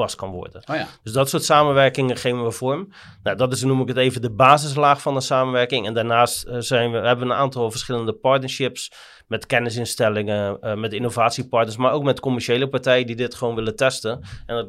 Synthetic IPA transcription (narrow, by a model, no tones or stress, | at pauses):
askɑnʋɔ̰rdəndøsdɔtsoːtsaːmənʋɛrkɪŋəχeːvənʋəvɔɹm | nadɔtɪsnuməkəteːvədəbaːzɪs̬laːxfɔndəsaːmənʋɛrkɪŋɛndaːrnaːstsɛjnəɦɛbəʋəənaːntɔlˠfərsχɪləndəpɔrtnəʃɪps | mɛtkɛnɪs̬ɪnstɛlɪŋəəmɛtinovaːtsipɔrtnəɹs̬marowkmɛtkomɛrʃeːləpartɛjədidɪtχəʋoːnʋɪlətɛstəɛnd